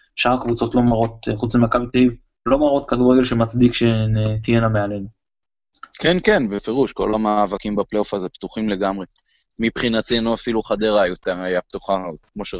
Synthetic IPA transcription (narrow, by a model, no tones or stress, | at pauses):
ʃaʁakvut͡so̞t̪lo̞maʁo̞t̪̚χut͡smimakabit̪aiv | lo̞maʁo̞t̪kaduʁeɡelʃemat͡sd̪ikʃenet̪ijenameale̞nu | kenkenbefeʁuʃko̞̰lamaːvakimbapleofazept̪uχimle̞ɡamʁe | mipχinatenuafiluχad̪eʁajot̪ajap̚t̪uχakmo̞ʃe